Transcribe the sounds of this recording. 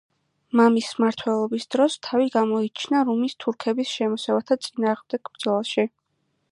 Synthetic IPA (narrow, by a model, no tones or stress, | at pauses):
mamismaɾt̪ʰwɛlˠɔbisd̪̥ɾɔst̪ʰaviɡamɔit͡ʃʰnaɾumist̪ʰuɾkʰɛbisʃɛmɔsɛvat̪ʰat̪sʼinaːʁmd̪ɛɡ̥bd̪z̥ɔlˠaʃi